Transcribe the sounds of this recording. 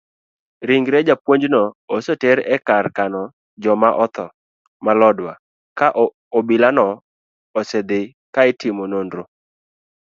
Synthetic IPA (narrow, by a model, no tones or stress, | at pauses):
ɾɪŋɡɾed͡ʒapwoɲd͡ʒnɔosotɛɾɛkarkanɔ | d͡ʒɔmaʔɔt̪ɔ | malɔdwa̰ | kaʔ | obɪlanɔ | ɔsed̪ɪ | kaɪtɪmonondɾo